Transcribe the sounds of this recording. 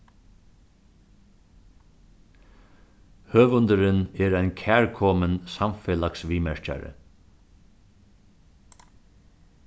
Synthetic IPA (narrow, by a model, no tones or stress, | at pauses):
høːʋʊnd̪əɾɪnɛːɾajnkʰæːɹkʰɔmənsamfɛːlaksʋiːmɛɹca̰ɾə̰